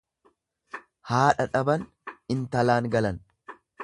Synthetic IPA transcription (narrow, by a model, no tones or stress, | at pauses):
haːᶑɐᶑɐbɐn | ɪnt̪ɐlaːŋɡɐlɐn